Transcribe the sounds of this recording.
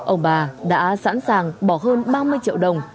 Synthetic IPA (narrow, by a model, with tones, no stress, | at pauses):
ʔə˧wŋ͡mɓaː˨˩ɗa̰ː˧˥sa̰˧˥nsaː˨˩ŋɓɔ˧˩ɦəː˧nɓaː˧mɨ˧əjt͡ɕḭ˧˨əwɗə˨˩wŋ͡m